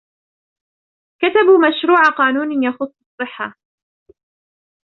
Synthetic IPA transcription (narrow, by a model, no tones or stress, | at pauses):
kat̪abuːmaʃɾuːʕaqɑːnuːnijɑxʊsˤːɑsˤːɨħːa